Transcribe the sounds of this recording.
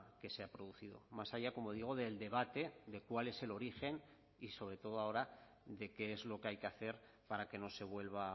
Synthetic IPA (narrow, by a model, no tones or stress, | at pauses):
ke̞se̞apɾo̞ð̞uθiðo̞̰masaʝako̞mo̞ð̞iɣ̞o̞ð̞eld̪e̞β̞at̪e̞ðe̞kwale̞se̞lo̞ɾixe̞n | iso̞β̞ɾe̞t̪o̞ð̞oao̞ɾa | ðe̞ke̞ezlo̞keajke̞aθe̞ɾ | paɾake̞no̞se̞β̞we̞lβ̞a